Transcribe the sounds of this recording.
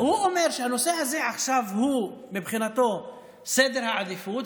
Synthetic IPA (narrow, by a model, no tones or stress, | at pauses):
huʔomeɾʃehanosehazeʕaχʃavhumibχinat̪o | sed̪eɾhaʕad̪ifut̪